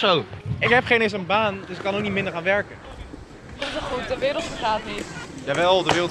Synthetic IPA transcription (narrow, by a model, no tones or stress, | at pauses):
sowɪkɦɛpχejnɪs̬ənbaːndøsɪkːɑnoknitmɪndəɹχaːnʋɛɹkə | səχutdəʋɪːɾəlˠtfəχaːtnisjaːʋɛlˠdəʋɪːɾə